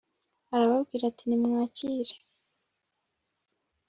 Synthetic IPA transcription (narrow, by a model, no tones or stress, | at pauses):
aɾaβabɡiːɾatinimŋaːciːɾe̥